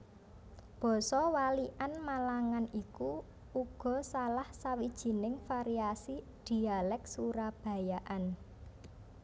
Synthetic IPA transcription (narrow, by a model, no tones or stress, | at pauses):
b̥ɔ̤sɔwaliʔanmalaŋaniku | uɡ̥ɔ̤salahsawid̥ʒ̥i̤nɪŋfaɾiasi | d̪̥i̤alɛksuɾab̥ä̤jaʔan